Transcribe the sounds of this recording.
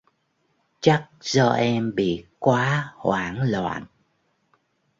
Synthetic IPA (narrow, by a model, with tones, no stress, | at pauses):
t͡ɕa˦˥k̚zɔː˧ʔɛ˧mɓḭ˧˨kwaː˨˦hwaː˨˦ŋlwa̰ː˧˨n